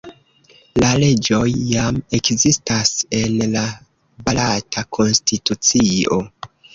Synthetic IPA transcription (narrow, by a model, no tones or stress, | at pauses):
lale̞d͡ʒo̞jːame̞kzistase̞nla | balatʰakʰo̞nstitut͡sio̞̰